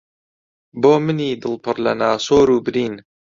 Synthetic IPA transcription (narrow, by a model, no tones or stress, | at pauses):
boːmɨniːd̪ɨlˠpʰɨrlɐnaːsoːɾuːbɨɾiːn